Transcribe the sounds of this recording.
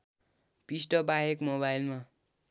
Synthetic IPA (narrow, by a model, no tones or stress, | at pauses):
pisʈʌbaɦekmoβailma